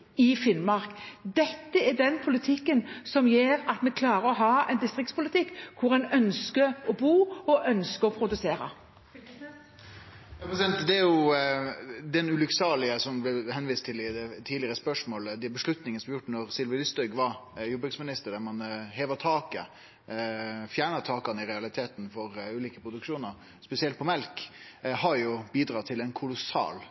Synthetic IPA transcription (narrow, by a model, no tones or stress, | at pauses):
ɪfɪnmɑʁkd̪ɛt̪ːəɛɖɛnpʰʊlɪt̪ʰɪkːənsɔmjeːɾɑt̪mɛkʰlɑːɾəɔɦɑːɛ̰nd̪ɪst̪ʁɪkt̪spʰʊlɪt̪ʰɪkːkʰʊɾɛnœnskəɔbuːɔʔœnskəɾɔpʰɾʊd̪ʉseːɾə̰ | jɑpɾɛsɛnt̪d̪ɛæɾjʊ | d̪ɛnʉlʉksɑːlɪəsɔmblɛhɛnʋiːst̪ʰɪlɪd̪ɛt̪ʰiːd̪lɪəɾəspœʂmoːləd̪ɛbəʂɭʉt̪nɪŋənsɔmjʊʈːnɔɾsɪlʋəlʏst̪œɡʋɑjubʉksmɪnɪst̪əɾɖ̪æmɑnɦeːʋət̪ʰɑːkə | fjæːɳət̪ʰɑːkɑnəɪɾɛɑlɪt̪ʰeːt̪nfɔɾʉːliːkəpʰɾʊd̪ʉkʂuːnəɾ | spɛsɪɛlt̪̚pʰɔmɛlk | hɑɾjʊbiːd̪ɾɑːt̪ʰɪlɛnkʰʊlʊsɑ̰ːl